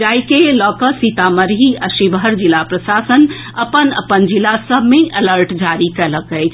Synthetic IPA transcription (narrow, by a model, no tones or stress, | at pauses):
d͡ʒajkelɔkəsit̪aməɾɦiəʃibɦəɾd͡ʒilapɾəsasən | əpənə̰pənd͡ʒilːasəbʱmeʔələɾʈd͡ʒaɾikɛləkəjt͡ʃʰ